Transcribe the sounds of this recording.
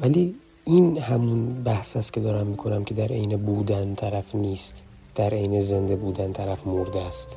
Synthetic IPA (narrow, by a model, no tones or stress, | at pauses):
væliː | inhæmunbæhsæst̪kʰʲe̞d̪ɒːɾæmːiːkʰo̞næmcʰe̞d̪æɾʔejnebuːd̪ænt̪ʰæɾæfniːst̪ | d̪̥æɾejneze̞nd̪e̞buːd̪ænt̪ʰæɾæfmoɾd̪æst̪